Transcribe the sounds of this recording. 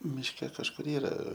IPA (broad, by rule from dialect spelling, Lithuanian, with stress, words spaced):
mʲɪʃʲˈkʲɛ kɐʃˈkʊr ˈiːrɐ